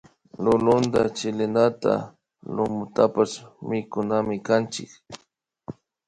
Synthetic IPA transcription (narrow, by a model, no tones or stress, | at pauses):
lʊlʊnd̪at͡ʃɪlɪnat̪a̰ | lʊmʊt̪apasmɪkʊnamɪkant͡ʃɪk